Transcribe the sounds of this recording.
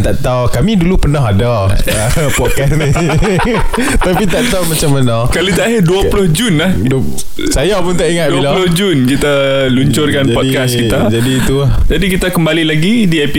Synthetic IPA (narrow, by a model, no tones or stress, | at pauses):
nt̪aʔt̪awkamĩdulupənɔɦada | apɔt̪̚kasni | t̪apit̪aʔt̪awmat͡ʃamːanɔ̃kalot̪aaɦɪrduaplʊhd͡ʒunlahd | sajapʊnt̪aʔiŋat̪̚duialalʊhd͡ʒunkit̪a | luɲt͡ʃʊrkand͡ʒapɔdikaskit̪ad͡ʒadiːt̪uahd͡ʒadikit̪akəmbalilaɡi | diɛpi